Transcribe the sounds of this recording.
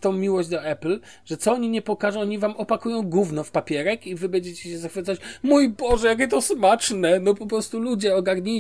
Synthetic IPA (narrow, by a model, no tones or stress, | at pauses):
t̪ɔ̃w̃mʲiwɔʑd͡ʑʲd̪ɔɛpl | ʐɛt̪sɔɔɲiɲɛpɔkaʐɛɔɲivamɔpakujɔ̃w̃ɡuvnɔfpapʲjɛɾɛkivɘbɛɲd͡ʑet͡ɕeɕɛzaxfɘt̪sat͡ɕmujbɔʐɛjak̬ʲɛt̪ɔsmat͡ʂnɛnɔpɔpɾɔst̪ulud͡ʑɛɔɡaɾɲi